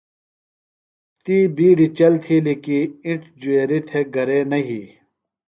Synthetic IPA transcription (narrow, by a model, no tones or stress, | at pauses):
t̪iːbiːɖit͡ɕɐlt̪ʰilikiĩʈd͡ʑueːɾit̪ʰeɡɐɾeːnɐɦi